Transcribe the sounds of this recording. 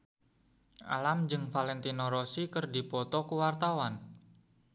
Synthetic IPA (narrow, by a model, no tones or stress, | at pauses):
ʔa̰lamd͡ʒɨŋfalɛnt̪inɔɾosikərdipɔt̪ɔkuwart̪awan